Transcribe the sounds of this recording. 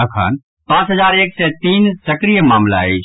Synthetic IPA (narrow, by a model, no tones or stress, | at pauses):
ɐkʰa̰ːn | pãːt͡ʃɦɐzaːɾeːksɛːt̪iːnsɐkɾijəmaːmla̰ːeː